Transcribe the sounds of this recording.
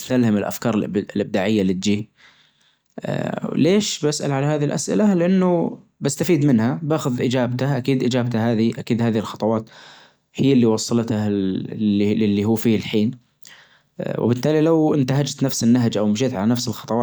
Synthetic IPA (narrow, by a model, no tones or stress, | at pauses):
t̪alhamɪlʔa̰fkɑːɾˤlʔblʔɪb̚d̪aːʕɪjːalɪt̪̚d͡ʒiː | leːʃbasʔa̰lʕalahaːðilʔa̰sʔɪ̰lalɪʔanːʊ | bast̪afiːd̪mɪnhabaːxʊðʔɪd͡ʒaːb̚t̪aʔakiːd̪ʔɪd͡ʒaːbt̪aɦaːðiʔakiːd̪haːðihɪlxɑt̪ˤɑwɑːt̪ | hɪjːalːiwɑsˤːɑlt̪a | ɪlːiɦuːfiːɪlħiːn | wɪ̰bɪt̪ːaːlilawɪnt̪aɦad͡ʒt̪nafsɪnːaɦd͡ʒʔawmʃeːt̪ʕalanafsɪlxɑt̪ˤɑwɑː